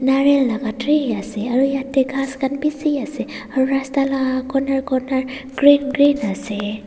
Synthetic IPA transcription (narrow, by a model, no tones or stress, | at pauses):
naɹellaɡatɾeasɛaɹujatːeɡʱaskanpisiasɛ | aɹuɹastalaɡakɔnaɹkɔnaɹ | ɡ̥ɹinɡɹinasɛ